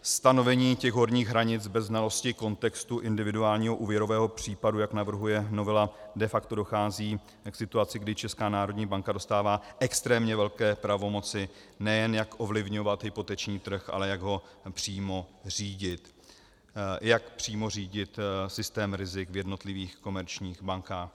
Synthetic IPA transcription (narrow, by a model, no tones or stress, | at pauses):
st̪ano̞vɛɲiːcɛɣɦo̞ɾɲiːɣɦɾaɲɪt͡sbɛzːnalo̞scɪko̞nt̪ɛkst̪uʔɪndɪvɪduaːlɲiːɦoʔuːvjɛɾo̞vɛːɦo̞pr̝̥iːpadujaknavr̩ɦujɛno̞vɛladɛfakt̪o̞doxaːziː | ksɪt̪uat͡sɪɡdɪt͡ʃɛskaːnaːɾodɲiːbaŋkado̞st̪aːvaːʔɛkst̪ɾɛːmɲɛvɛlkɛːpɾavo̞mo̞t͡sɪ | nɛjɛnjakʔo̞vlɪvɲo̞vat̪ɦɪpo̞t̪ɛt͡ʃɲiːt̪r̩xʔa̰lɛjaɡɦo̞pr̝̥iːmo̞r̥iːɟɪt̪ | jakpr̝̥iːmo̞r̝iːɟɪt̪sɪst̪ɛːmɾɪzɪkvjɛdno̞t̪lɪviːxko̞mɛɾt͡ʃɲiːxbaŋkaːx